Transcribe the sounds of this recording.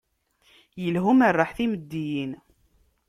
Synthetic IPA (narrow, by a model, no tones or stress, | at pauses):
jəlɦumərˤːɑħθiməd̪ːijin